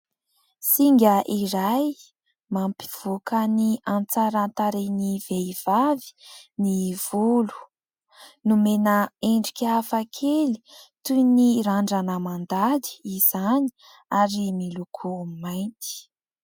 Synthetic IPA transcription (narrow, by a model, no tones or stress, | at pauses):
siŋɡʲəʔiɾaj | mampi̥v̥ukʰəniant͡saɾant̪aɾeniv̥eiv̥avi̥niv̥ulu̥ | numenəeɳɖ͡ʐikʲafakʰeli̥t̪uniɾaɳɖ͡ʐanəmand̪ad̪i̥iz̥ani̥ | aɾimilukʰumajnt̪i̥